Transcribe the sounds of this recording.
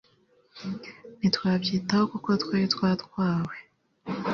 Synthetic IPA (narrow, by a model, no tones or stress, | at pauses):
nitwaːbɟiːtahokuko̞tweɾitwaːtkwaːwe